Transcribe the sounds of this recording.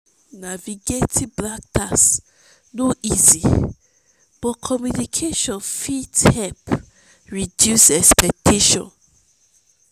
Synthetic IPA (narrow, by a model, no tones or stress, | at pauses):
naviɡetʰiblak̚tʰas | noʔizi | b̥ɔkʰɔmjunikʰeʃɔ̃nfithɛp | ɹidjusɛkspɛk̚tʰeʃɔ̰̃n